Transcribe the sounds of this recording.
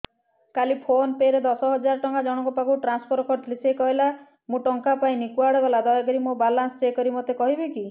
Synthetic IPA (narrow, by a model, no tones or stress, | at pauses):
kalipʰonpeɾed̪ɔsɔɦɔd͡ʒaɾɔʈɔŋkad͡ʒɔɽ̃ɔŋkɔpakuʈɾanspʰɔɾɔkʰɔɾʈlisekɔɦela | mũʈɔŋkapaĩnikuwaɽɔɡɔlad̪ɔjakɔɾimobalansɔt͡ʃekɔɾimot̪ekɔɦibeki